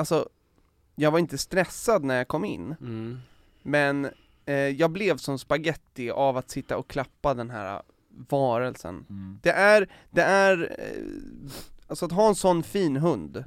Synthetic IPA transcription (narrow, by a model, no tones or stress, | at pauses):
alsɔ | jɑːɡvaɾɪnt̪əst̪ɾɛsːad̪næɾjaːkʰɔmːɪ̰nː | mɛn | jɑːɡ̚blɛvsɔmspaɡɛt̪ːɪavat̪sɪt̪ːaɔkʰlapːad̪ɛnɦæ̰ːɾa̰ | vɑːɾəlsə̰nd̪̥ɛʔæɾ | d̪̥ɛæɾ | alsɔat̪ɦɑːɛnsɔnːfiːnɦɵnd̪